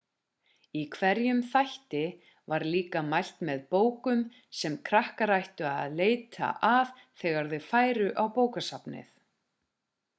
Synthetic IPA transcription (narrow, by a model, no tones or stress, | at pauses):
ikʰvɛɾjʏmθajht̪ɪ | vaɾliːkamajl̥t̪mɛðpoːwkʏm | sɛmkʰɾahkaɾajht̪ʏaðleːjt̪ʰa̰ʔav | θɛːɣaɾðʏfaːjɾʏʔawpoːwkasapnɪ̰θ